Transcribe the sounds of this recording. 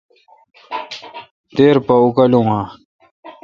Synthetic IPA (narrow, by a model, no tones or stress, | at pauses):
t̪eːɾpɐukɐlũɦã